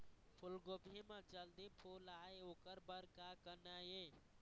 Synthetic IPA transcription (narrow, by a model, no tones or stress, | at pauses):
pʰʊlɡobʱimãd͡ʒəld̪ipʰulaːeokəɾbəɾkaːkənaje